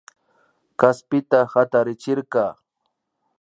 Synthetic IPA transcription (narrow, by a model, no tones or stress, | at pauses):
kaspɪt̪ahat̪aɾɪt͡ʃɪɾkaː